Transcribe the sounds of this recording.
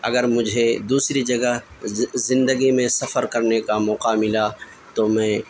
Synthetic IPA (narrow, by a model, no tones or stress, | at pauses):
ɐ̰ɡəɾmʊd͡ʒʱed̪uːsɾid͡ʒɐɡəɦzɪ̃nd̪əɡimẽsɐfəɾkɐɾnekamɔːqamɪla | t̪omɛ̃ː